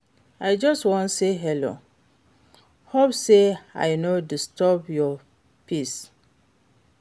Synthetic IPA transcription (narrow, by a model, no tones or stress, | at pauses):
aɪd͡ʒɔstwɔ̃nseɦɛlo̰ | hopsea̰jnodistʰɔbjɔ | pʰis